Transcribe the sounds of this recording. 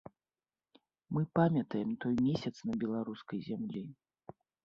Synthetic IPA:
mɨpamʲɐt̪ɐjɛmt̪ɔjmʲesʲɐt̪snɐbʲɛlˠaɾuskɐjzʲamlʲi

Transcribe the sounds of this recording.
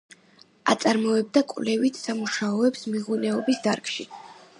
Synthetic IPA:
a̰t̪sʼaɾmɔɛb̚d̪akʼvlɛvit̪ʰsamuʃaɔɛpsmiʁunɛɔbisd̪aɾkʼʃi

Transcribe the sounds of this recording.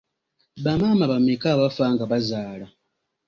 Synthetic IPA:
βamaːmaβamekaβafaŋɡaβazaːla

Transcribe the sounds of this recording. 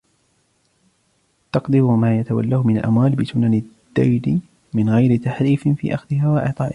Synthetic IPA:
t̪ɑqd̪ɪɾʊmaːjat̪awa̰lːaːhmɪnalʔa̰mwaːlbɪsʊnanɪd̪̥ːajdɪ | mɪnɣajɾɪt̪aħɾiːfɪnfḭːʔaxðɪhaːwaʔɑʕt̪ˤɑːʔɪ

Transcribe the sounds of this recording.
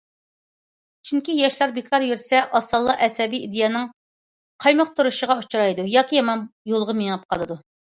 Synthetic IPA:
t͡ʃʰyŋkʲijɛʃlˠɑɾbek̪ʰɑɾjyɾsɛʔɑsɑlˠːɑʔɛsɛbijid̪ejɑːnɨŋ | qʰɑjmɑq̚t̪ʰuɾuʃəʁɑut͡ʃʰuɾɑjd̪ujɑːkʲijɑmɑnjolˠʁəmeŋɑp̚qʰɑlˠɨd̪u

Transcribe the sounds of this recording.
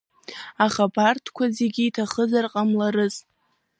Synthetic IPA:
aχapartʰkʷʰazeɡʲiːtʰaχəzarqʼamlaɾɨz

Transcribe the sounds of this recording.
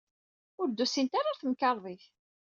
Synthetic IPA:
ʊɾd̪ːusint̪aɾˤaθəmkɑɾˤðˤiθ

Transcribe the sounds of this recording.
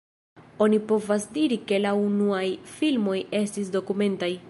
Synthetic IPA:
o̞nipo̞vasdiɾike̞launuajfilmo̞je̞stis̬do̞kume̞ntaj

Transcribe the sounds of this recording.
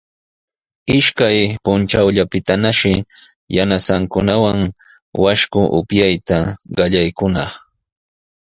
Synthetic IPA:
ɪʃkajpʊnt͡ʃawʎapɪt̪anaʃɪ | janasaŋkʊnawaŋ | waʃkʊʔʊ̰pjajt̪aɢɑʎajkʊnɑχ

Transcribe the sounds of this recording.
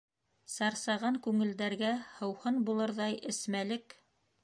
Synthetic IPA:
sɑɾsɑʁɑŋkʉŋɘ̆ld̪æɾɡæhɤ̆whɤnbulˠɤɾðɑjʔɘ̆smælɘk

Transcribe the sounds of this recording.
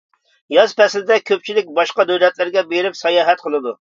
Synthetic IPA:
jɑz̥pʰɛslɪd̪ɛkʲʰøp̚t͡ʃʰilɪk̚ʲbɑʃqɑd̪øwlɛt̪lɪɾɡʲɛbeɾɪpsɑjɑːɦɛt̪̚qʰəlˠɨd̪u

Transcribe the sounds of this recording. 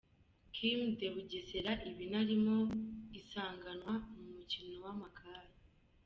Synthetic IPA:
kʰimdeβuɟeseɾaʔiβinaɾimo̞isaːŋɡanwamumucino̞wamakʰaːɾe

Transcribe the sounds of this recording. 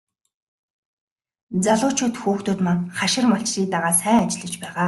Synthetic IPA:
t͡saɮʊːt͡ɕʰuːt̪xuːxt̪ʊːt̪maŋχaʃɪ̆rmaɬt͡ɕriːk̚t̪aʁaːsæːŋat͡ɕɪ̆ɮə̆t͡ɕpæːʁaː

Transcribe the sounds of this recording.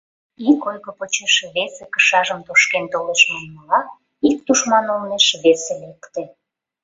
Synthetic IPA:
ikojɣəpot͡ɕeʃeβesekə̥ʃɑʒəmt̪oʃkent̪oleʃmonməlɑ | ik̚t̪uʃmɑnolneʃβeselekt̪ĕ

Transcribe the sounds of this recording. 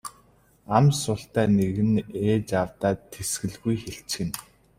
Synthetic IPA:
amsʊːɬt̪æːneɣɘ̆neːt͡ɕawt̪aːt̪ʰːesɡɘ̆ɮɣujxeɬt͡ɕxɘ̆n

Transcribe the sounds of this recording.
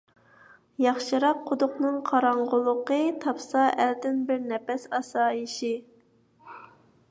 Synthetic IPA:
jɑχʃɨɾɑqʰːod̪ʊqnɨŋqʰɑɾɑɴʁʊlˠʊqət̪ʰɑpsɑʔæɾd̪ɪnbɪɾnɛpɛsɑsɑːiʃɪ

